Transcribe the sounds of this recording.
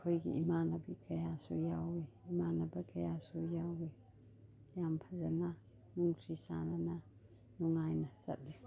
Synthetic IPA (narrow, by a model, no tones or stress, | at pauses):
kʰojɡḭimanabikɐjasujaweimanabakɐjasujawe | jampʰazana | nuŋsisa̰nana | nuŋajnasa̰t̚di